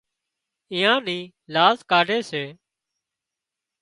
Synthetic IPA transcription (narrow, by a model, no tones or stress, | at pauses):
ɪ̃ːãːnĩː | laːzkaːɖʱeːseː